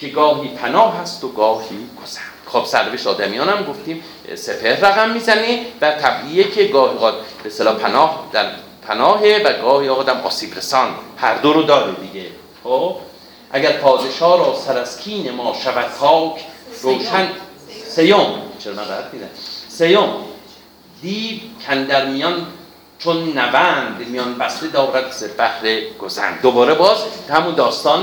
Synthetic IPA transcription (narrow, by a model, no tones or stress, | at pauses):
kʰeɡɒːɦiːpʰænɒːɦæst̪oɡɒːhiːɡ̥oz̥æ̥nd̪̥xob̥sæɾneeʃɒːd̪æmijɒːnæmɡoft̪iːm | sepʰeɾræɣæmːiːzænevæt̪ʰæbʔijekʰeɡɒːhiːɣɒːd̪̚b̥eːst̪elɒːpʰænɒːhd̪æɾ | pʰænɒːɦevæɡɒːhiːɒːɣɒːd̪æmʔɒ̰ːsiːbɾesɒnhæɾd̪oɾod̪ɒːɾed̪iɡe | xob | ʔæɟæɾpʰɒːd̪e̞ʃɒːɾɒːsæɾæskʰiːnemɒːʃævæt̪kʰːɒːkʰɾoːʃæn | se̞jomt͡ʃʰeɾmænɾææt̪ʰmid̪æsejom | d̪iːbcʰænd̪æɾmijɒn | t͡ʃʰonːævæːnd̪mijɒːnbæst̪ed̪ɒːɾæt̪̚sebæhɾeɡ̥ozæ̰nd̪d̪obɒːɾebɒːʃhæmund̪ɒːst̪ɒːn